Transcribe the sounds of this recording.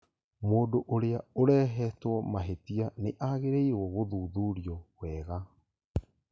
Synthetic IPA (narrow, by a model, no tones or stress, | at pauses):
moːdoʔoɾeaoɾɛːɦɛtwɔmaɦetianeʔaɣeɾeiwɔɣoðuːðuːɾiɔɣwɛːɣa